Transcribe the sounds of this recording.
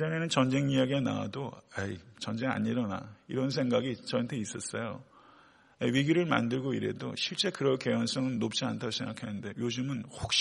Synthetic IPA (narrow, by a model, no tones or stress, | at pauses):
d͡ʑʌne̞nɯnt͡ɕʌnd͡ʑe̞ŋijaɡiana̰wa̰doait͡ɕʌnd͡ʑe̞ŋa̰ɲiɾʌna̰iɾʌns̬ʰe̞ŋɡaɡit͡ɕʌʌntʰe̞is͈ʌs͈ʌjo | eɥiɡjiɾɯɭma̰ndɯɭɡoiɾe̞̰do̰ɕʰiɭt͡ɕ͈e̞kɯɾʌke̞wʌns͈ʌŋɯnːop̚t͡ɕ͈iantʰaoɕʰeŋɡakʰenɯnde̞jod͡ʑɯmɯnhok̚ɕ͈